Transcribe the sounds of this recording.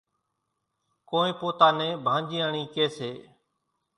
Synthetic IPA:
koːẽːpoːt̪aːnẽːbʱãːnd͡ʒĩːaɳĩːkeːseː

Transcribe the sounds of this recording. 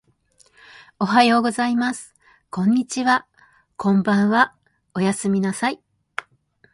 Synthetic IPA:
o̞ɦajo̞ːɡo̞zaimasɨ̥ | kõ̞ɲ̟ːit͡ɕiβa | kõ̞mbãɰ̃βa | o̞jasɨmʲinasai

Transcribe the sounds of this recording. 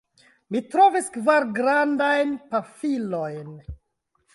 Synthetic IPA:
mitɾoveskvaɾɡɾandajnpafilo̞jn

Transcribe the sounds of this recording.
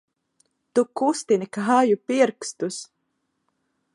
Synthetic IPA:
t̪ukust̪inikaɦajupiɾkst̪us

